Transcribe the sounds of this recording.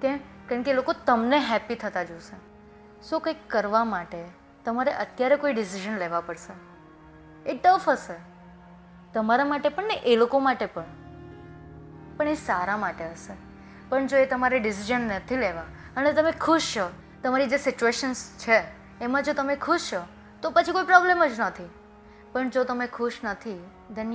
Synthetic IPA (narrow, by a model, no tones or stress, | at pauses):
kẽmkaɾəɳkelokot̪əmneɦɛpit̪ʰət̪ad͡ʒose | sokəjkːəɾʋamaʈe | t̪əmaɾeʔət̪jaɾekoiɖɪs̬iʒənleʋapəɽʃe | eʈəfəse | t̪əmaɾamaʈepəɳneʔelokomaʈepəɳ | pəɳesaɾamaʈeɦəse | pəɳd͡ʒoet̪əmaɾeɖɪs̬id͡ʒənːət̪ʰileʋa | ənet̪əmekʰʊʃt͡ʃo | t̪əmaɾid͡ʒesɪt͡ʃueʃənst͡ʃʰeː | mãd͡ʒot̪əmekʰʊʃt͡ʃo | t̪opət͡ʃʰikoipɾɔbleməd͡ʒnət̪ʰi | pəɳd͡ʒot̪əmekʰʊʃnət̪ʰi | d̪ʱən